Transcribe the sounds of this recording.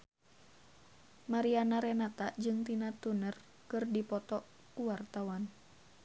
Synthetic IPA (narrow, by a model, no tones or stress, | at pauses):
maɾianaɾɛnat̪ad͡ʒɨŋt̪inat̪unər | kɨrdipɔt̪ɔ | kuwart̪awan